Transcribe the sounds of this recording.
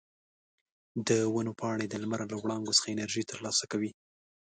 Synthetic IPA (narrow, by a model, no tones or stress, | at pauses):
d̪əwanopɑɽed̪əlmaɾalawɽɑŋɡosə̥xaɪnaɾʒit̪əɾlɑsakawi